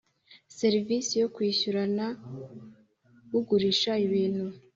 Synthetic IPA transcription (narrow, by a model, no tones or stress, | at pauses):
se̞ɾivisijo̞kwiːçuɾana | uɡuɾiʃaiβiːn̥hu